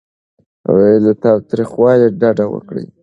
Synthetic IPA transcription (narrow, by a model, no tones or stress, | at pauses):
a̰walat̪ɑwt̪ɾixwɑleɖaɖawə̰kɽḭ